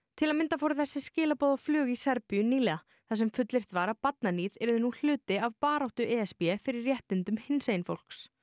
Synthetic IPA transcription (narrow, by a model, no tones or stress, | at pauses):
t̪ʰɪlaðmɪnt̪afowɾʏθɛsːɪscɪːlapɔːðaflʏːɣisɛɾpʏjʏniːlɛa | θaðsɛmfʏt̪lɪr̥t̪vaɾapat̪̚naniːðɛɾðʏnul̥ʏːt̪ɪavpaːɾawht̪ʏʔɛːɛspjɛfɪɾɪɾːjɛht̪ɪnt̪ʏmhɪnsejnfo̰wl̥ks